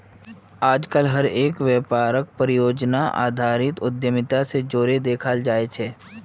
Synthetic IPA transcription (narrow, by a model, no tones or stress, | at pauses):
aːd͡ʒkəlɦɐɾeːkʋjeːpaːɾək̚pəɾɪjoːd͡ʒnaʔa̰ːd̪ʱaːɾɪt̪ʊd̪jəmɪt̪ased͡ʒoːɾed̪eːkʰald͡ʒaːet͡ʃʰeː